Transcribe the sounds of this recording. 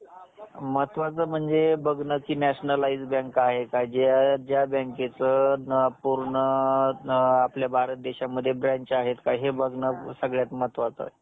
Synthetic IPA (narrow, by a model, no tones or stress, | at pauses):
mət̪ʋat͡səm̤əɳd͡zebəɡnəkiːnæɕnəlaid͡zbə̃ŋkaɦekad͡ʑad͡ʑjabə̃ŋket͡səpuɾɳə | apljabʱaɾət̪̚d̪eɕaməd̪ʱːjebɾãɲt͡ɕaɦet̪kaɦebəɡnəsəɡɭjat̪mət̪ʋat͡sə̰